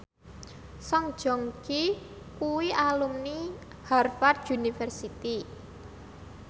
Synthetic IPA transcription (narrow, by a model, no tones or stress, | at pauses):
sɔŋ̥ʒ̥ɔ̤ŋki | kuwiʔalumni | harfarʒunifɛrsit̪i